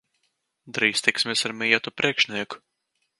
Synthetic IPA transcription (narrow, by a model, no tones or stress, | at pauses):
d̪ɾiːsʲt̪iksmʲesaɾmʲijɛt̪upɾʔiɛkʃnʲiɛk